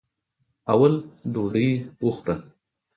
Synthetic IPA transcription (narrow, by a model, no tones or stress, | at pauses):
awald̪oɖəjwʊxɾa